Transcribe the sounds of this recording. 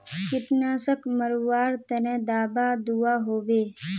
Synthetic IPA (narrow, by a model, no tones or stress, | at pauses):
kɪʈnaːsəkməɾʋaːɾt̪ənɛ̃d̪aːbaːd̪uːaːɦoːʋeː